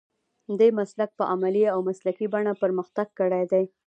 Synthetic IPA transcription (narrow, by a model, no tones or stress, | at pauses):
d̪emaslak̚pəʔamaliawmaslakibaɳapəɾməxt̪aɡ̚kəɽajd̪aj